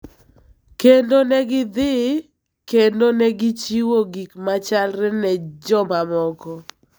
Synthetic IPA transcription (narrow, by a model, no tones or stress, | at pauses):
kendonɛɡɪd̪ɪ | kendonɛɡɪt͡ʃiwoɡikmat͡ʃalɾɛnɛd͡ʒɔmamɔkɔ